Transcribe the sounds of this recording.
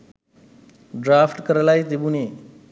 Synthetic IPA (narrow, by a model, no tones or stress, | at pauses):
ɖɾafʈkəɾlajd̪ebune